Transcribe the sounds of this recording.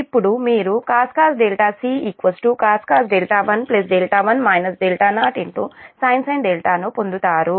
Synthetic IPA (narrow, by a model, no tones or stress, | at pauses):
ipːuɽumiːɾukaːskaːsɖ̪elʈaːsiːikʋɐsʈukaːskaːsɖelʈaːʋɐnples̬ɖelʈaːʋɐnmɐjnɐsɖ̪elʈaːnaːʈeɳʈ̪oːsɐjnsɐjnd̪elʈaːnupond̪ut̪aːɾu